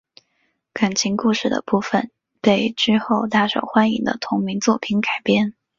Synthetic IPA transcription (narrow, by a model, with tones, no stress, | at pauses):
ka˨˩nt͡ɕʰi˧˥ŋku˥˧ʂɻ̩˥˩d̪ə̰˩pu˥˩fə˨˩n | pe˥˩ɪʈ͡ʂɻ̩˥xo˥˧ʊt̪a˥˩ʂo̰˨˩ʊxwa˥nḭ˧˩ŋd̪ə̰˦t̪ʰʊ˧˥ŋmi˧˥ŋt͡swɔ˥˩pʰi˧˥nka˨˩ɪpjɛ˥n